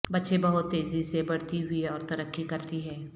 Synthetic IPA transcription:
bɐtːʃẽbɐɦʊt̪ːeːzisebɐɽt̪iɦʊiɔːɾt̪ɐɾəkːikɐɾt̪iɦɛ̃ː

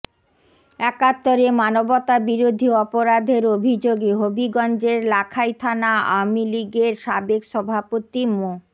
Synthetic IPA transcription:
ɛkat̪ːoɾemanobɔt̪abiɾod̪ʱiɔpoɾad̪ʱeɾobʱid͡ʑoɡeɦobiɡɔnd͡ʑeɾlakʰajt̪ʰanaa̰wmiliɡeɾʃabekʃɔbʱapot̪imo

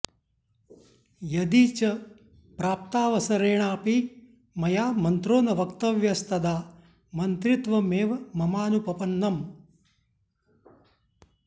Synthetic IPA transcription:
jɐd̪it͡ʃɐ | pɾaːp̚t̪aːʋɐsɐɾeːɳaːpiː | mɐjaːmɐnt̪ɾoːnɐʋɐkt̪ɐʋjɐst̪ɐd̪aː | mɐnt̪ɾit̪ʋɐmeːʋɐmɐmaːnupɐpɐnːɐm

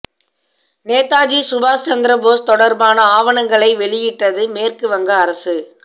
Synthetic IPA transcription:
neːt̪aːd͡ʒisʊbaːst͡ʃɐnd̪ɪɾɐboːst̪ɔɽɐɾbaːnɐaːʋɐɳɐŋɡɐɭɐɪʋɛɭɪjɪʈːɐðɯmeːrkɯʋɐŋɡɐːɾɐsɯ

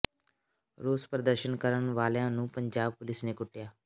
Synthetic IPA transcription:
ɾoːspɾəd̪əɾʃənkəɾənʋaːljãːnũːpəɲd͡ʒaːb̚pʊlɪsneːkʊʈːɪjaː

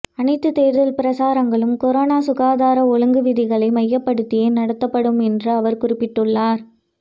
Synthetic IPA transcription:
ɐnɐɪt̪ːɯt̪ːeːɾðɐlpɪɾɐsaːɾɐŋɡɐɭɯmkɔɾoːnaːsʊɣaːðaːɾɐɔɻɯŋɡɯʋɪðɪɣɐɭɐɪmɐjːɐpːɐɽɯt̪ːɪjɐɪnɐɽɐt̪ːɐpːɐɽɯmɛndrɯɐʋɐɾkʊrɪpːɪʈːɯɭːaːɾ

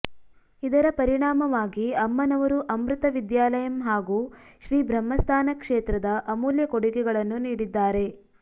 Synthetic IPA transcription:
id̪ɐɾɐpɐɾiɳaːmɐʋaːɡiɐmːɐnɐʋɐɾuʔɐmɾut̪ɐʋid̪jaːlɐjɐmɦaːɡuʃɾiːbɾɐmːɐst̪ʰaːnɐkʂeːt̪ɾɐd̪ɐʔɐmuːljɐkoɽiɡɛɡɐɭɐnːuniːɽid̪ːaːɾe̞

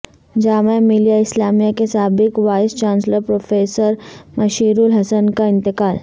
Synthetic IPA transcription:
d͡ʒaːmemilijaɪslaːmijakesaːbɪkʋaːɪst͡ʃãːnsləɾpɾoːfeːsəɾmɐʃiːɾulɦɐsənkaɪ̃nt̪ɪkaːl

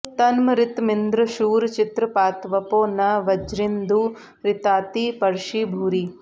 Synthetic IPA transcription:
t̪ɐnmɐɾɪt̪mind̪ɾɐʃuːɾt͡ʃit̪ɾɐpaːt̪ʋɐpoːnɐʋɐd͡ʒɾind̪uː | ɾɪt̪aːt̪iːpɐɾʃiːbʱuːɾiː

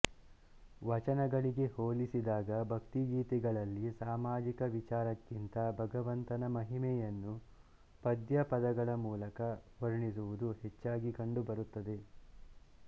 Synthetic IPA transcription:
ʋɐt͡ʃɐnɐɡɐɭiɡe̞hoːlisid̪aːɡɐbʱɐkt̪iɡiːt̪iɡɐɭɐlːisaːmaːd͡ʒikɐʋit͡ʃaːɾɐkːint̪ɐbʱɐɡɐʋɐnt̪ɐnɐmɐɦimɛjɐnːu | pɐd̪jɐpɐd̪ɐɡɐɭɐmuːlɐkɐʋɐɾiɳisuʋud̪uhet͡ʃːaːɡikɐɳɖubɐɾut̪ːɐd̪e̞

